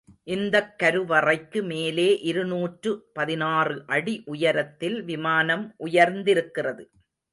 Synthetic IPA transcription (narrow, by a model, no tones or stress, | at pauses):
ʔɪnd̪ɐkːɐɾɯʋɐrɐɪkːɯmeːleːʔɪɾɯnuːʈrɯpɐðɪnaːrɯʔɐɽiʔʊjɐɾɐt̪ːɪlʋɪmaːnɐmʔʊjɐɾnd̪ɪɾɯkːɪrɐðɯ